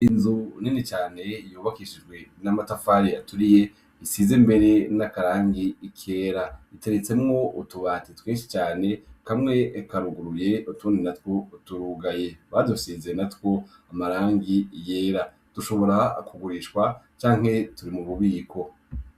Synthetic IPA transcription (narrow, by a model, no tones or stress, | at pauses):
inzuninit͡ʃaːne̞juːβakiʃid͡ʒɡwe̞namatafaɾeatuɾije̞ | isizembe̞ɾe̞nakaɾaːŋɡiːkʰe̞ːɾaiteɾet͡se̞mŋo̞utuβatetweːnʃi̥t͡ʃaːne̞kamŋe̞ʔːkaɾuɡuɾuje̞utuːndinatwotuɾuɡaje̞βadusizenatwo̞ | amaɾaːŋɡijeːɾa | d̥uʃo̞βo̞ɾa̰kuɡuɾiʃkwat͡ʃaːŋ̥he̞tuɾimuβuβiːkʰo̞